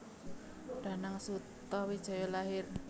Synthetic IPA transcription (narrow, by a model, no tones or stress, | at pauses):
ɖ̥a̤naŋsut̪ɔwid̥ʒ̥ɔ̤jolaɦɪr